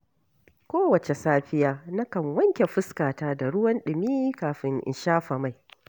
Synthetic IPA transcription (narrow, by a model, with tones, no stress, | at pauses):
kʷoː˦wɐ˨t͡ʃe˨saː˦ɸɪ˦jaː˦nɐ˦kɐ˨ŋwɐ˦ŋkʲe˨ɸɪ˦skaː˨taː˦da˨ɽʊ˦wɐ˦nɗɪ˨miː˦kaː˨ɸɪ˦ŋʔɪ̰˨nʃaː˦ɸɐ˨ma˦˨j